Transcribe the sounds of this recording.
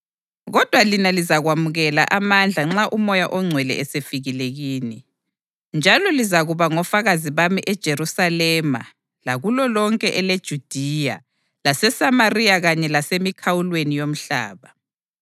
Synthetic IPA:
ɣɔd̥ʱwalinalizaɣwamuɣɛla̰ʔamand͡ɮʱaŋ͡ǁaʔumɔjaʔɔŋ͡ǀʱwɛlɛ̰ʔɛsefiɣileɣiːni | nd͡ʒʱalɔlizaɣuβaŋɔfaɣaziβamiʔɛd̥ʒ̥ʱeɾusalɛma̰ | laɣulɔlɔŋkʼɛʔɛled̥ʒ̥ʱud̥ʱija | lasɛsamarijaɣaɲɛlasemikʰawulwenijom̩ɬa̰ːβa

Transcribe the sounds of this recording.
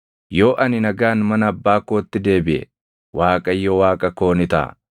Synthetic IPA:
jo̞ːʔɐnɪnɐɡaːnmɐnɐːbːaːkoːt̪ːɪd̪e̞ːbɪʔɛ̰ | waːkʼɐjːoɔwaːkʼɐko̞ːnɪt̪a̰ː

